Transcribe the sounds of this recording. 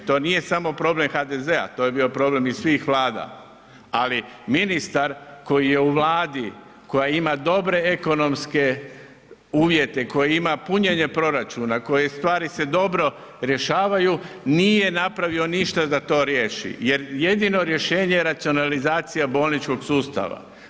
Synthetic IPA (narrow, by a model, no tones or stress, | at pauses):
t̪o̞ːnije̞samo̞pɾo̞ble̞mxad̪eze̞a̰t̪o̞je̞bio̞pɾo̞ble̞missʋixʋlˠaːd̪a̰ | aliminist̪aɾko̞jije̞uʋlaːd̪i | ko̞jaimad̪o̞bɾe̞eko̞no̞mske̞ | uːʋje̞t̪e̞ko̞jiimapuɲe̞ɲe̞pɾo̞ɾat͡ʃuːnako̞jest̪ʋaːɾise̞d̪o̞bɾo̞ | ɾje̞ʃaːʋajuniːje̞napɾaʋio̞niʃt̪ad̪at̪o̞ːɾje̞ʃḭje̞ɾje̞d̪ino̞ɾje̞ʃe̞ːɲeeɾat̪sio̞nalizaːt̪sijabo̞ːlnit͡ʃko̞ɡsuːst̪a̰ʋa̰